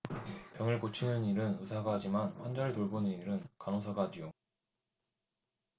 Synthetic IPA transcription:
pjʌŋɯɭkot͡ɕʰinɯniɾɯnɯsʰaɡaɦad͡ʑimanɸwand͡ʑaɾɯtoɭbonɯniɾɯnkanosʰaɡaɦad͡ʑijo

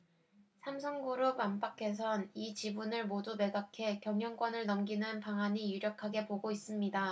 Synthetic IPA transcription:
sʰamsʰʌŋɡuɾopamp͈akʰe̞s̬ʰʌnit͡ɕibunɯɭmodume̞ɡakʰe̞kjʌmjʌŋk͈wʌnɯɭnʌmɡinɯnpaŋɦaɲijuɾjʌkʰaɡe̞poɡois͈ɯmɲida

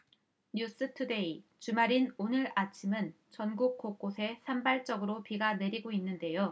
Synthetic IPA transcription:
ɲus͈ɯtʰude̞it͡ɕumaɾinonɯɾat͡ɕʰimɯn | t͡ɕʌnɡuk̚k͈ok͈osʰe̞sʰambaɭt͡ɕ͈ʌɡɯɾopiɡane̞ɾiɡoinːɯnde̞jo

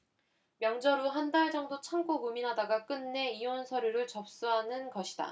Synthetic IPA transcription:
mjʌŋd͡ʑʌɾuɦandaɭd͡ʑʌŋdot͡ɕʰaŋɡoɡuminɦadaɡak͈ɯnːe̞ionsʰʌɾjuɾɯɭt͡ɕʌp̚s͈uɦanɯnɡʌɕʰi̥d̥a̰

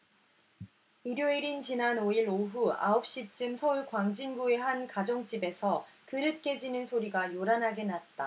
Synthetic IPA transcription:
iɾjoiɾint͡ɕinanoiɾoɦua̰op̚ɕ͈it͡ɕ͈ɯmsʰʌuɭkwaŋd͡ʑinɡue̞ɦankad͡ʑoŋt͡ɕ͈ibe̞sʰʌkɯɾɯt̚k͈e̞d͡ʑinɯnsʰoɾiɡajoɾanɦaɡe̞nat̚t͈a

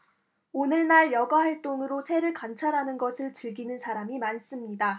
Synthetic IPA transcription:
onɯɭnaɭjʌɡahaɭt͈oŋɯɾosʰe̞ɾɯɭkant͡ɕʰaɾɦanɯnɡʌsʰɯɭt͡ɕɯɭɡinɯnsʰaɾamimans͈ɯmɲida

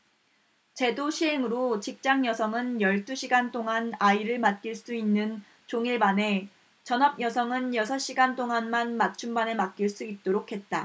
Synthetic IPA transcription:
t͡ɕe̞doɕʰiɦe̞ŋɯɾot͡ɕik̚t͡ɕ͈aŋjʌsʰʌŋɯnjʌɭt͈uɕʰiɡant͈ʰoŋanaiɾɯɭmat̚k͈iɭs͈uinːɯn | t͡ɕoŋiɭbane̞ | t͡ɕʌnʌb̚jʌsʰʌŋɯnjʌsʰʌɕ͈iɡant͈ʰoŋanmanmat̚t͡ɕʰumbanemat̚k͈iɭs͈uit̚t͈oɾokʰe̞t̚t͈a

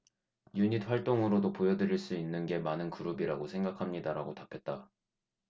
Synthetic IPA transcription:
juɲit̚ɸwaɭt͈oŋɯɾodopojʌdɯɾiɭs͈uinːɯnɡe̞manɯnkuɾubiɾaɡosʰe̞ŋɡakʰamɲidaɾaɡotapʰe̞t̚t͈a

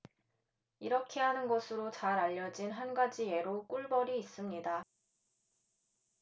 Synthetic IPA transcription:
iɾʌkʰe̞ɦanɯnɡʌsʰɯɾot͡ɕaɾaʎːʌd͡ʑinɦanɡad͡ʑie̞ɾok͈uɭbʌɾiːs͈ɯmɲida

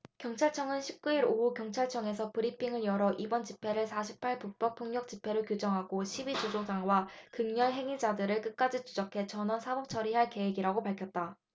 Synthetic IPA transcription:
kjʌŋt͡ɕʰaɭt͡ɕʰʌŋɯnɕʰip̚k͈uiɾoɦukjʌŋt͡ɕʰaɭt͡ɕʰʌŋe̞s̬ʰʌpɯɾipʰiŋɯɭjʌɾʌʔibʌnt͡ɕipʰe̞ɾɯɭsʰaɕʰi̥pʰaɭpuk̚p͈ʌk̚pʰoŋɲʌk̚t͡ɕ͈ipʰe̞ɾoɭkjod͡ʑʌŋɦaɡoɕʰibit͡ɕod͡ʑosaŋwakɯŋɲʌɭɦe̞ŋid͡ʑadɯɾɯɭk͈ɯk̚k͈ad͡ʑit͡ɕʰud͡ʑʌkʰe̞t͡ɕʌnʌsʰabʌp̚t͡ɕʰʌɾiɦaɭke̞weɡiɾaɡopaɭkʰjʌt̚t͈a

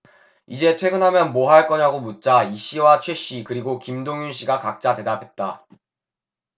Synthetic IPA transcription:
id͡ʑe̞tʰwe̞ɡɯnɦamjʌnmoɦaɭk͈ʌɲaɡomut̚t͡ɕ͈aiɕ͈iwat͡ɕʰwe̞ɕ͈ikɯɾiɡokimdoŋjunɕ͈iɡakak̚t͡ɕ͈ate̞dapʰe̞t̚t͈a

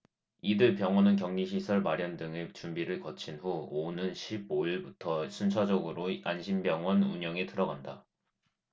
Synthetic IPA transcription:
idɯɭpjʌŋwʌnɯnkjʌŋɲiɕ̬ʰisʰʌɭmaɾjʌndɯŋet͡ɕumbiɾɯɭkʌt͡ɕʰinɸuonɯnɕʰib̚oiɭbutʰʌsʰunt͡ɕʰad͡ʑʌɡɯɾoanɕʰimbjʌŋwʌnuɲʌŋetʰɯɾʌɡanda

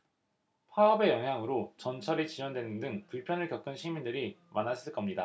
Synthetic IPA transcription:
pʰaʌbe̞jʌŋɦjaŋɯɾot͡ɕʌnt͡ɕʰʌɾit͡ɕid͡ʑwʌndwenɯndɯŋpuɭpʰjʌnɯɭkjʌk͈ɯnɕʰimindɯɾimanas͈ʰɯɭk͈ʌmɲida

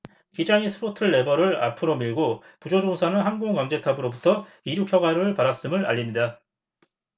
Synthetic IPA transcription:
kid͡ʑaŋisʰɯɾotʰɯɭːe̞bʌɾɯɭa̰pʰɯɾomiɭɡo | pud͡ʑod͡ʑoŋsʰanɯnhanɡoŋkwaŋd͡ʑe̞tʰabɯɾobutʰʌ | iɾjukʰjʌɡaɾɯɭpaɾas͈ɯmɯɭa̰ʎːimɲida

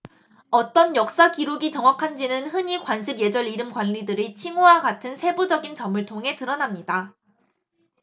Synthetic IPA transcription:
ʌt͈ʌnjʌk̚s͈akiɾuɡit͡ɕʌŋwakʰand͡ʑinɯnhɯɲikwanɕʰibje̞d͡ʑʌɭiɾɯmɡwanːidɯɾit͡ɕʰiŋowaɡatʰɯnsʰe̞bud͡ʑʌɡint͡ɕʌmɯɭtʰoŋɦe̞tɯɾʌnamɲida

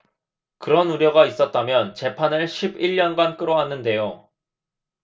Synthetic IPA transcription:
kɯɾʌnuɾjʌɡais͈ʌt̚t͈amjʌnt͡ɕe̞pʰanɯɭɕʰibiɭːʌnɡwank͈ɯɾʌɦanːɯnde̞jo

